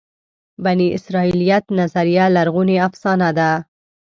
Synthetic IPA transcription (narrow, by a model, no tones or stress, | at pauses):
baniʔɪ̰sɾɑilijat̪nazaɾijalaɾɣuneafsɑnad̪a